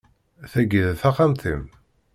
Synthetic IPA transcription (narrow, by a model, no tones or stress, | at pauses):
θæɡəðθaχamt̪im